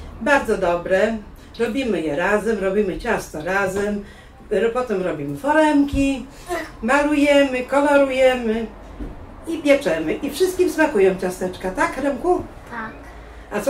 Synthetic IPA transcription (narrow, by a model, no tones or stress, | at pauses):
baɾd̪zɔd̪ɔbɾɛ | ɾɔbʲimɘjɛɾazɛmɾɔbʲimɘt͡ɕast̪ɔɾazɛm | pɔt̪ɛmɾɔbʲimɘfɔɾɛmkʲi | malujɛmɘkɔlɔɾujɛmɘ | ipʲjɛt͡ʂɛmɘʔifʂɘst̪kʲimsmakujɛw̃t͡ɕast̪ɛt͡ʂkat̪akɾɛŋku | t̪ak | ʔat̪sɔ